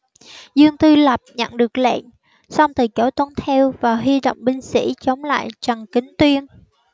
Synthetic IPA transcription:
zɨ˧əŋt̪ɨ˧lə˨˩p̚ɲə̰˧˨nɗɨ˨˩ək̚lɛ̰˧˨n | sa˧wŋ͡mt̪ɨ˨˩ko˧˦t̪ə˨˧˦nt̪ʰɛ˧wvaː˨˩ɦi˧ɗo̰˧˨wŋ͡mɓï˧ŋ̟sḭ˧˥t͡ɕə˨˦wŋ͡mla̰ː˧˨jt͡ɕaə˨˩ŋkï˨˦ŋt̪wi˧ən

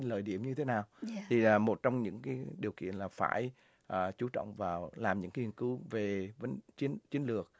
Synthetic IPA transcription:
ləː˧˨˩jɗḭ˧˩əmɲɨ˧t̪ʰe˨˦naː˨˩wt̪ʰiː˨˩˨mo˨˩t̚t͡ɕɔ˧wŋ͡mɲɨ̰˧˥ŋkaː˨˦jɗi˨˩əwkḭ˧˨ənlaː˨˩fa̰ː˧˩j | ʔəː˨˩t͡ɕu˨˦t͡ɕɔ̰˧˨wŋ͡mvaː˨˩wlaː˨˩mɲɨ̰˧˥ŋki˨˩ənkɨ˨˦ve˨˩və˨˦nt͡ɕi˨˦ənt͡ɕi˨˦ənlɨ˨˩ək̚

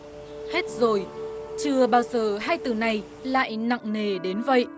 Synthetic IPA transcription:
he˦˥t̚zo˨˩jt͡ɕɨ˨˩əɓaː˧wzəː˨˩ɦaː˧jt̪ɨ˨˩na˨˩j | la̰ː˧˨jna̰˧˨ŋne˨˩ɗe˨˦nvə̰˧˨jʔ

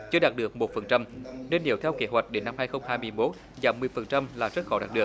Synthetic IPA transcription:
t͡ɕɨ˧əɗaː˨˩t̚ɗɨ˨˩ək̚mo˨˩t̚fə˨˩nt͡ɕa˧mne˧nɗi˨˩˦əwt̪ʰɛ˧wkḛ˨˦ɦwa˨˩k̚ɗe˨˦nːa˧mhaː˧jxə˧wŋ͡mhaː˧jmɨ˧əjmo˦˥t̚ | zaː˨˩mmɨ˨˩əjfə˨˩nt͡ɕa˧mlaː˨˩zə˦˥t̚xɔ˨˦ɗa̰ː˨˩t̚ɗɨ˨˩ə˩

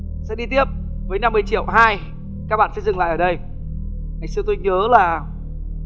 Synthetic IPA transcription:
sɛ̰˧˥ɗi˧t̪i˦˥əp̚vəː˨˦jna˧mːɨ˧˩əjt͡ɕḭ˧˩˨əwɦaː˧j | kaː˦˥k̚ɓa̰ː˧˨˩sɛ̰˧˥zɨ˨˩ŋl̰a̰ː˧˨ʔəː˨˩ɗə˧j | ŋa˨˩jsɨ˧ət̪̬o˧jŋəː˨˦laː˨˩

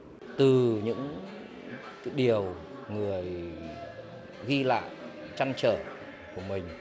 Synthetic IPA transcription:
t̪ɨ˨˩ɲɨ̰˧˥ŋ | kaː˨˦jɗi˨˩əwŋɨ˨˩əj | ɣi˧la̰ː˧˨jt͡ɕa˧ŋt͡ɕəː˧˩ | ku˧˩əmï˨˩ŋ̟

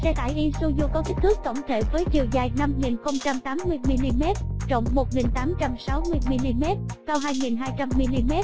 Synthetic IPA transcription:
sɛ˧t̪a̰ː˧˩jʔi˧su˧zu˧kɔ˨˦k̪i˦˥k̟̚t̪ɨ˦˥kːə̰˧˩wŋ͡mt̪ʰe˧˩vəː˨˦jt͡ɕi˨˩əwzaː˨˩jna˧mŋi˨˩nxə˧wŋ͡mt͡ɕa˧mt̪aː˨˦mːɨ˧əjmi˧li˧mɛ˦˥t̚t͡ɕə̰˧˨wŋ͡mmo˨˩t̚ŋi˨˩nt̪aː˨˦mt͡ɕa˧msa˨˦wmɨ˧əjmi˧li˧mɛ˦˥t̚kaː˧wɦaː˧jŋi˨˩nɦaː˧jt͡ɕa˧mːi˧li˧mɛ˦˥t̚

